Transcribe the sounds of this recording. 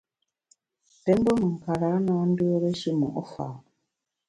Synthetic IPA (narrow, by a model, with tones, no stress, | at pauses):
te˦mbo˦mu˨ŋ̩˨ka˨ɾa˨˦na˨˦ndu˦o˦ɾe˦ʃi˦mṵ˨ʔɔ˦fa̰˨